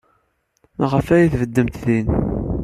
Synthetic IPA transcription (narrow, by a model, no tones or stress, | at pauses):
ʁəfæjiθvəd̪ːəmt̪ðin